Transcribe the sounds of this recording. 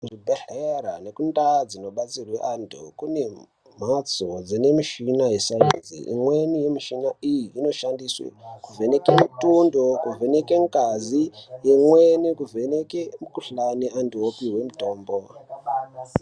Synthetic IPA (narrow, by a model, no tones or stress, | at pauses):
ʐibʱeɬeɾane̞kundad͡zino̞ɓat͡sirweʔandukune̞ | m̤at͡sod͡zine̞miʃinaje̞saḭnzḭḭmwe̞nije̞miʃinaijiːno̞ʃandiswḛkuve̞ne̞kemitundokuve̞ne̞keŋkazijemwenikuve̞nekemukuɬanianduopiwe̞muto̞ːmbo̞